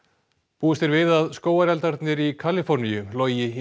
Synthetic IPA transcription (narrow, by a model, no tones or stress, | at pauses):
puːɪst̪ɪɾvɪðaðskoːwaɾɛlt̪aɾt̪nɪɾikʰalɪfɔɾnijʏlɔːjɪ